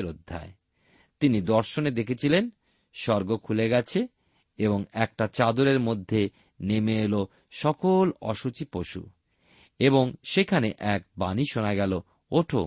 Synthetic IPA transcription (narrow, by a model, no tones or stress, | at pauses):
ɾod̪ʱːa̰e | t̪inid̪ɔɾʃoned̪ekʰet͡ɕʰilen | ʃɔɾɡokʰuleɡɛt͡ɕʰe | eboŋɛk̚ʈat͡ɕad̪oɾeɾmod̪ʱːe | nemeelo | ʃɔkolɔ̰ʃut͡ɕipoʃṵ | eboŋʃekʰaneʔɛk̚baniʃonaɡɛlo | oʈʰo̰